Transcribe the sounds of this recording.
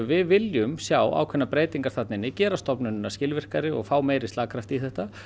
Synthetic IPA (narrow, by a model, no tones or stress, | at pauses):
vɪðvɪljʏmsjaːwa̰ːwkʰvɛnːapɾeːjt̪iŋkaɾ̥θat̪nɪnːɪcɛːɾast̪ɔpnʏnnːascɪlvɪr̥kaɾɪɔ̰ɣfaːwmeːjɾɪsaːkʰɾaft̪iθɛht̪a